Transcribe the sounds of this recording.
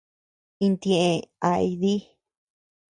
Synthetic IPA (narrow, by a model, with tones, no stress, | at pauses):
i˧nt̪ẽ˧˨ʔẽ˧a˨˧i˧ði˦